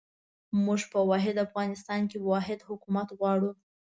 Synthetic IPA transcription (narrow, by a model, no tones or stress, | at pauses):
muʒpəwɑɦɪd̪afɣɑnɪs̬t̪ɑnkewɑɦɪd̪hʊkumat̪ɣwɑɽu